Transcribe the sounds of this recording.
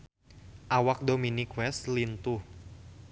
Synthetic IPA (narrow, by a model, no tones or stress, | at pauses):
ʔawak̚dominikwɛst̪lint̪uh